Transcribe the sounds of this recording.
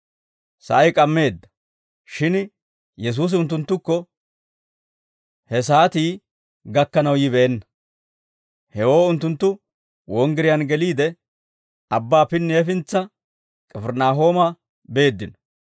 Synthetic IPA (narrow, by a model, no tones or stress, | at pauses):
sɐ̰ʔɐjkʼɐmːe̞ːd̪ːɐ̥ | ʃɪn | jɛs̬uːs̬ɪʊnt̪ːʊnt̪ːʊkːɔ | hɛs̬aːt̪iː | ɡɐkːɐnɐwjɪbɛʔɛnːɐ | hɛwo̞ːʊnt̪ːʊnt̪ːʊ | wɔŋɡɪɾɪjɐnɡɛliːd̪ɛ | ɐbːaːpɪnːɛfɪnt͡sːɐ | kʼɛfɛɾnaːɦo̞ːmɐ | be̞ːd̪ːɪnɔ̥